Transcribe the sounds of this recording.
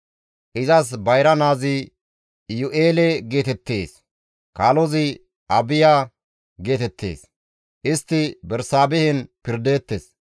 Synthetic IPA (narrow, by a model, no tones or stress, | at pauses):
ʔɪzɐsbɐjɾɐnaːzɪ | jʊʔeːlɛɡe̞ːt̪ɛt̪ːeːs | kaːlɔzɪ | ʔɐbɪjaː | ɡe̞ːt̪ɛt̪ʰːḛːs | ʔɪst̪ːɪbɛɾsaːbɛhɛnpɪɾd̪eːt̪ːes